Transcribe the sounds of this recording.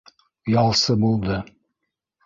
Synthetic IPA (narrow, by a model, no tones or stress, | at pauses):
jɑlˠsɤbulˠd̪ɤ